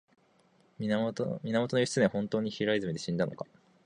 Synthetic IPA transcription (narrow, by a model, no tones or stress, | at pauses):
mʲinamo̞t̪onojiɕi̥t͡sɨnehõ̞nt̪o̞ːɲ̟içiɾaizɨmed̪e̞ɕĩnd̪ano̞̰kḁ